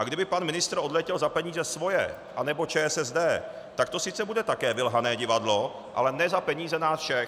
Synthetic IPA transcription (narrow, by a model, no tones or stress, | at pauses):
ʔaɡdɪbɪpanmɪnɪst̪ɾʔo̞dlɛcɛlzapɛɲiːzɛsvo̞jɛ̰ | ʔanɛbo̞t͡ʃɛːɛsɛzdɛː | t̪akt̪o̞sɪt͡sɛbudɛt̪akɛːvɪlɦanɛːɟɪvadlo̞ | ʔa̰lɛnɛzapɛɲiːzɛnaːsfʃɛ